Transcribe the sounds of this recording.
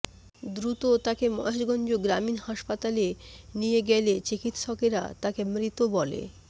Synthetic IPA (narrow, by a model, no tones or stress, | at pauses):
d̪ɾut̪ot̪akemɔeʃɡɔnd͡ʑoɡɾaminhaʃpat̪alenieɡelet͡ɕikit̪ʃɔkeɾa̰t̪akemɾit̪obɔlḛ